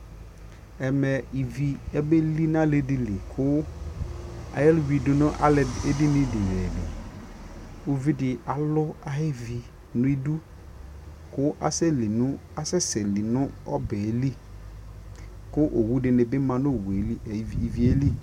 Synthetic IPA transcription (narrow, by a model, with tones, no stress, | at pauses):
ɛ˨mɛ˨i˨vi˨ɛ˦bɛ˦li˦n˦ã˦lɪ˦dɪ˨li˨kʰʊ˦ | a̰˨jɛ˦lwi˨dʊ˨nʊ̃˦ʔa̰˦lɪ˨e˦dɪ˦nɪ̃˦dɪ˨jɛ˨bɪ̰˨ | o˦vi˦dɪ˨a˨lʊ˦a˨ɦɪ˦vi˨ | nʊ̃˦i˦du˦ | kʊ˦ʔa˦sɛ˦li˨nʊ̃˦ | a˨sɛ˦sɛ˨li˨nʊ̃˦ɔ˦bɛ˨˦li˦ | kʊ˦ʔo˨wu˦dɪ˨nɪ̃˨bɪ˦mã˨nʊ˦˨wu˨e˨li˦˨i˨vi˨e˦li˦